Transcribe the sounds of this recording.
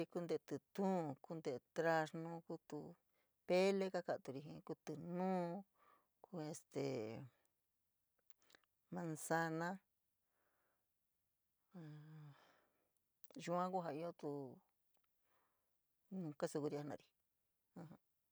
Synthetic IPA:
i˧ku˦˧nd̪e˧t̪ɨ˧t̪ũː˦˨ku˦nd̪e˧t̪ɾa˧ʂnũ˦ku˦t̪u˧ | pe˦le˦ka˦ka˧ʔt̪u˧ɾi˧ɦḭ̃˧ku˧t̪ɨ˧nũː˦ | ku˦e˧st̪ḛ˨ | mã˧nsa˧nã˦ | a˨ | ʒu˧ã˦ku˦ɦa˧i˦o˦t̪u˧ | nũ˧ka˦su˧ku˧ɾi˧a˧nã̰˧ɾi˧ | hã˧hã˧

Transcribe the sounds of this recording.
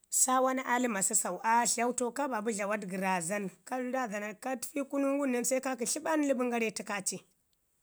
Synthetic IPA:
sa˦wa˦na˦ʔa˦li˦ma˨si˦sa˨u˨ʔa˦ɬa˦wto˦ka˦ba˨bu˦ɮa˨wa˦dɡi˨ɾa˨za˦nka˦lu˦da˦da˨na˨ka˦tfi˦ku˦nu˦ŋɡu˦na˦nsa˦ka˦ki˨ɬi˦ɓa˦n˦li˦bu˦ŋɡa˦ɾe˦ti˦ka˦t͡ʃi˦

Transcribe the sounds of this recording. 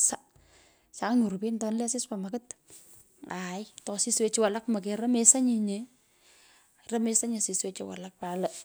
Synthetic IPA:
sa˦ | sa˨˦ɲu˨ɾu˨pi˦ntɔnle˦sɪ˦spamakɪ˦t | a˨jtɔ˨si˦swe˦t͡ʃɪ˦wa˨la˦kma˨k̬eɾɐ˦mesa˦ɲi˦ɲe | rɐ˦me˦sa˦ɲa˨si˨swet͡ʃɪwa̰˨lak̚palɐ

